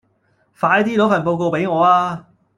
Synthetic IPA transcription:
faː˨˧jt̪iː˥lo˨˥wfɐ˨˩npo˧wko˧wpe˨˥jŋɔː˨˧aː˧

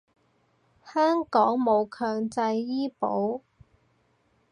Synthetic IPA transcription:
hœː˥ŋkɔː˨˥ŋmo˨˧wkʰœː˧ŋt͡sɐ˧jːiː˥po̰˨˥w

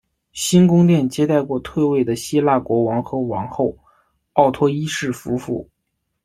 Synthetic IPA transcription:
ɕi˥nkʊ˥ŋt̪jɛ˥˩nt͡ɕjɛ˥t̪a˥˧ɪkwɔ˥˧t̪ʰwe˥˧ɪwe˥˩ɪd̪ə˩ɕi˥la˥˩kwɔ˧˥wɑ˧˥ŋxɤ˧˥wɑ˧˥ŋxo˥˩ʊ | ɑ˥˩ʊt̪ʰwɔ˥i˥ʂɻ̩˥˩fu˧˥fṵ˥˩˦

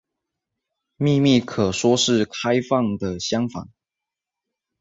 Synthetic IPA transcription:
mi˥˧mi˥˩kʰɤ˨˩ʂwɔ˥ʂɻ̩˥˩kʰa˥˦ɪfɑ˥˩ŋd̪ə˨ɕjɑ˥ŋfɑ̰˨˩˦ŋ

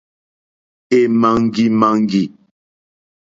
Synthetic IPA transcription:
e˨ma˨ŋ˦ɡi˦ma˦˨ŋ˦ɡi˨

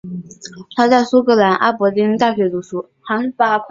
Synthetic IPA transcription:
t̪ʰa˥t͡sa˥˩ɪsu˥kɤ˥la˧˥nʔa̰˥˩pɔ˧˥li˥nt̪a˥˩ɕɥɛ˧˥t͡su˨˩ʂu˧˥ | xa˧˥npa˥kʰ

